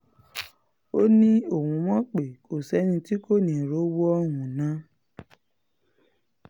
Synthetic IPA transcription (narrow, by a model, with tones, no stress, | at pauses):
o˦nĩ˦o˨wũ˧mɔ̃˦k͡pe˨ko˨sɛ˨˦nĩ˧ti˦ko˦˨nĩ˨ɾo˨˦wo˦ɔ˧˦wũ˨nã˨˦